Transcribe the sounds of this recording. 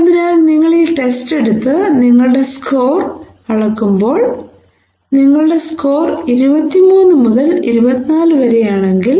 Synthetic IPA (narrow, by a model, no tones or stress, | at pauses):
ɐnd̪ɐɾaːlniŋːɐɭiʈe̞ste̞ɽut̪ːɨniŋːɐɭɨɽe̞sko̞ːr | ɐɭɐkːumbo̞ːɭ | niŋːɐɭɨɽe̞sko̞ːriɾubɐt̪ːimuːnːɨmuðɐliɾubɐt̪ːinaːlɨʋɐɾejaːɳe̞ŋɡil